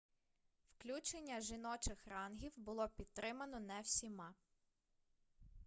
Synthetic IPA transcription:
wklʲut͡ʃenʲːɐʒinɔt͡ʃɪxɾɑnɦʲiwbʊlˠɔpʲid̪̚t̪ɾɪmɐnɔnɛwsʲimɑ

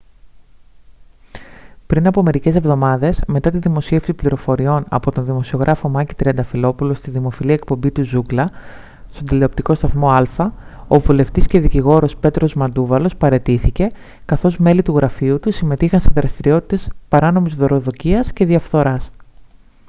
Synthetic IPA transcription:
pɾinɐpo̞me̞ɾice̞se̞vðo̞mɐðe̞zme̞t̪ɐt̪iðimo̞sie̞fsipliɾo̞fo̞ɾio̞nɐ̰po̞t̪o̞nðimo̞sio̞ɣɾʔɐfo̞mɐcit̪ɾiɐnd̪ɐfilo̞pulo̞st̪iðimo̞filiɐek̚po̞mbit̪uzuɡlɐ | st̪o̞nd̪ileopt̪iko̞st̪ɐθmo̞ɐlfɐo̞vule̞ft̪isce̞ðiciɣo̞ɾo̞spe̞t̪ɾo̞zmɐnd̪uvɐlo̞spɐɾe̞t̪iθice̞ | kɐθo̞zme̞lit̪uɣɾɐfiut̪usime̞t̪ixɐnse̞ðɾɐst̪iɾio̞t̪i̥t̪e̞spɐɾɐno̞mizðo̞ɾo̞ðo̞ciɐsce̞ðiɐfθo̞ɾɐs

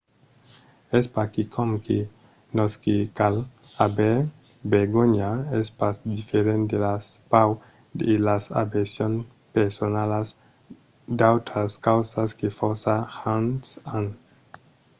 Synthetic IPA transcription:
espakikʰomke | noskekalabe | beɾɡoɲaespasd̪ifeɾend̪elaspaw | delasa̰besjon | peɾsonalas | d̪awt̪ɾaskawsaskefoɾsaxansan

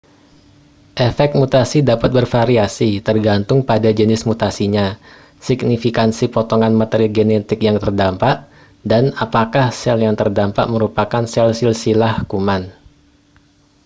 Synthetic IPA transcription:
ʔefɛk̚t̪̚mut̪asidapat̪̚bərfaɾiasit̪ərɡant̪ʊŋpadad͡ʒənɪsmut̪asiɲa | siɡ̚nifikansipot̪ɔŋanmat̪eɾiɡenet̪ɪkjaŋt̪ərdampaʔ | danapakahsɛljaŋt̪ərdampa̰ʔməɾupakansɛlsilsilahkuman

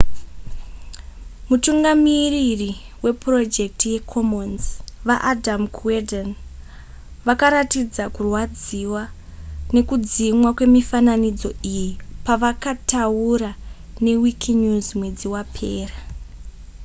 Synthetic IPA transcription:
mutuŋɡamiriri | we̞pro̞d͡ʒe̞k̚tije̞kʰomonzʋaʔadamkʰweden | ʋakaɾatid͡zakurwad͡ziwane̞kud͡zimwakwe̞mifananid͡zo̞ijipaʋakatauɾa | ne̞wikʰɲuzmwe̞d͡ziwapʰe̞ːra

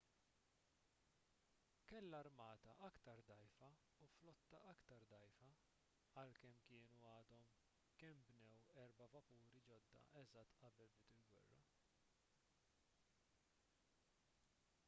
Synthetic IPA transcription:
kɛlːɐɾmɐːt̪ɐʔɐkt̪ɐɾd̪ɐjfɐ | uflɔt̪ːɐʔɐkt̪ɐɾd̪ɐjfɐ | ɐlkɛmkɪːnuɐːd̪ɔm | kɛmbnɛwɛɾbɐvɐpuːɾid͡ʒɔd̪ːɐ̰ʔɛzɐt̪ːɐbɛlbɪt̪ɪlɡwɛ̰rːɐ̰

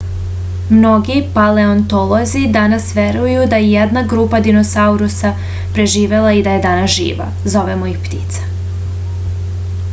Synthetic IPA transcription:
mno̞ɡipale̞ont̪olˠozid̪anasʋe̞ɾujud̪ajejed̪naɡɾuːpad̪ino̞sauɾusa | pɾe̞ʒiːʋe̞lˠaid̪aje̞d̪aːnasʒḭːʋa̰ | zo̞ʋe̞moixpt̪it̪sḁ

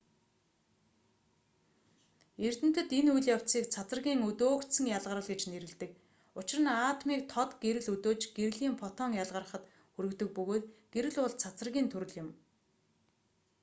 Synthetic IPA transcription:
er̥t̪ɘ̆n̥t̪ɘ̆t̪enujɮjaw̥siːkt͡sʰat͡sə̆rɣʲiːŋɵt̪oːkt̪sə̆ŋjaɮʁə̆ɾə̆ɮɡet͡ɕneɾɘ̆ɮt̪ɘ̆k̚ | ʊt͡ɕɪ̆rə̆naːt̪miːk̚t̪ʰɔt̪ɡeɾɘ̆ɮɵt̪oːt͡ɕɡ̥eɾɘ̆ɮiːmpʰɔt̪ɔŋjaɮʁə̆rə̆χə̆t̪ | xɵɾɵ̆kt̪ɵ̆k̚pɵɣoːt̪ɡ̥eɾɘ̆ɮʊɮt͡sʰat͡sə̆rɣʲiːnt̪ʰɵɾɘ̆ɮjʊ̆m

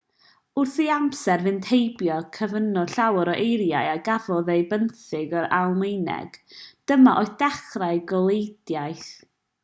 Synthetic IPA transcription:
ʊrθiamsɛrvɨntʰejbjɔkʰəvənɔɬawəɾɔʔejɾjajaɡavɔðejbənθɪɡɔɾalˠmejnɛ̰ɡ̥d̥əmaʔɔɨθd̥ɛχraɨɡɔlˠejd̥jajθ

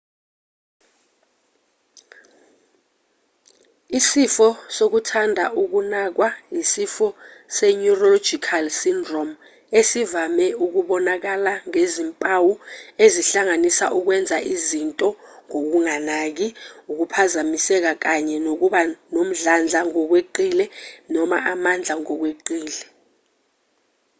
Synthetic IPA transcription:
isifɔsok̬utʰandʱaʔuk̬unak̬waisifɔsɛɲurolo̥d͡ʒ̥ikʰalsindrɔm | esivamɛuk̬uɓɔnak̬alaŋezimpʼawueziɬaŋanisa̰ʔuk̬wɛnd͡zʱaʔizintʼɔŋok̬uŋanak̬iuk̬upʰazamisɛk̬ak̬aɲɛnok̬uɓanom̩ɮand͡ɮʱaŋɔk̬weǃilɛnɔma̰ʔamand͡ɮʱaŋɔk̬weǃiːlɛ

